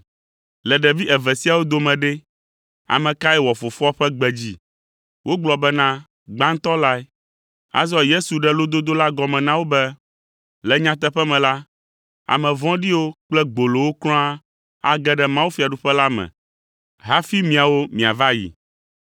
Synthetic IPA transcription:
lɛ˨ɖɛ˨vi˦ʔɛ˨vɛ˨si˦a˨wo˦d̪o˨mɛ̃˨ɖɛ˦ | a̰˨mɛ̃˨ka˦ɛ˦wɔ˨fo˨fɔ˦ɸɛ˦ɡ͡bɛ˨d͡ʑi˦ | wʔo˦ɡ͡blɔ˨bɛ˦nã˦ | ɡ͡ba˦ŋ̩˦t̪ɔ˦la˦ɛ˦ | a̰˨zɔ˦je˦su˨ɖɛ˦lo˦d̪o˦d̪o˦la˦ɡɔ˨mɛ̃˨nã˦wo˦bɛ˦ | lɛ˨ɲã˦t̪ɛ˦ɸɛ˦mɛ̃˨la˦ | a̰˨mɛ̃˨vɔ̃˦ɖi˦wo˦k͡plɛ˦ɡ͡bo˨lo˨wo˦klɔ̃˦a˦ | a̰˨ɡɛ˦ɖɛ˨mã˦wu˦fi˨a˨ɖu˦ɸɛ˦la˦mɛ̰̃˨ | ɦa˦fi˦mĩ˨a˨wo˦mĩ˨a˨va˦jḭ˨

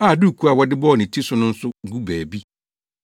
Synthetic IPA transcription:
a˨du˦˨kʰu˦a˨wɔ˨dɪ˦bɔː˦˨nɪ̃˨tʰi˦sʊ˨˦nʊ̃˦n̩˦sʊ˦ɡu˦bɛː˨bi˦

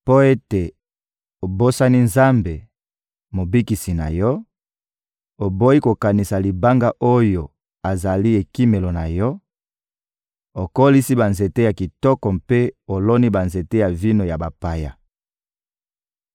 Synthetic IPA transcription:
po˦e˦te˨ | o˨bo˦sa˦ni˦nza˦mbe˨ | mo˨bi˦ki˨si˨na̰˨jɔ˦ | o˨bo˦i˦ko˨ka˨ni˨sa˨li˨ba˦ŋɡa˦ʔo˦jo˨ | a˨za˨li˦e˨ki˦me˨lo˨na˨jɔ˦ | o˨ko˦li˦si˦ba˨nze˨te˦ja˨ki˨tɔ˦kɔ˨mpe˦o˨lɔ˦ni˦ba˨nze˨te˦ja˨vi˦no˨ja˨ba˨pa˦˨ja˨

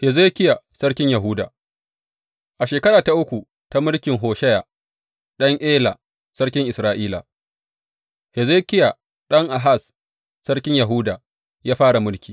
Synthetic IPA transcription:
hɛ˨zeː˦kʲɪ˦ja˨sɐ˦rkʲɪ˦ɲjɐ˨ɦu˦da̰ː˨ | ʔa˨ʃeː˨kɐ˦ɽaː˨ta˦ʔʊ˦kʷu˨ | ta˦mʊ˦ɽkʲɪ˨ŋɦoː˨ʃɐ˦ja˨ | ɗɐ˦ŋʔeː˦la˨ | sɐ˦ɽkʲɪ˦ŋʔɪ˨sɾaː˨ʔiː˦la̰˨ | hɛ˨zeː˦kʲɪ˦ja˨ | ɗɐ˦ŋʔa˨ɦa˦˨sː | ɐ˦rkʲɪ˦ɲja˨ɦuː˦daː˨ | jaː˦ɸaː˦ɽa˨mʊ˦ɽkʲiː˨

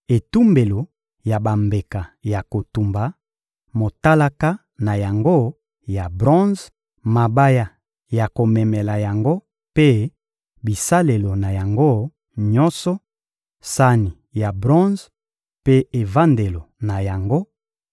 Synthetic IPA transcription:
e˨tu˦mbe˨lo˨ | ja˨ba˨mbe˨ka˨ja˨ko˨tu˨mba˨˦ | mo˨ta˦la˦ka˦ | na˨ja˨ŋɡo˦ | ja˨bʁɔ̃˦z | ma˨ba˦ja˦˨ | ja˨ko˨mɛ˨mɛ˨la˨ja˨ŋɡo˦ | pe˦ | bi˨sa˦le˨lo˨na˨ja˨ŋɡo˦ | ɲɔ̃˦nsɔ˦ | sa˦ni˨ | ja˨bʁɔ̃˦z | pe˦e˨va˦nde˨lo˨na˨ja˨ŋɡo˦

